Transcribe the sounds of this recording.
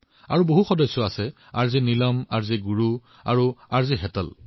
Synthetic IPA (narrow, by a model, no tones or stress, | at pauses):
a̰ɹuboɦuxɔdɔjsːɔasɛ | aɹzinilɔma̰ɹziɡuɹu | a̰ɹuaɹziɦɛtɔ̰l